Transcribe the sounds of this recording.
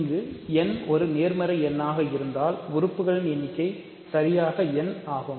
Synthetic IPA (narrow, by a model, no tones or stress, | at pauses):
ŋɡɯɛnɔɾɯneːɾmɐɾɐɛnːaːɣɐɪɾɯnd̪aːlʊɾɯpːɯɣɐɭɪnɛnːɪkːɐɪ | sɐɾɪjaːɣɐɛnaːɣɯm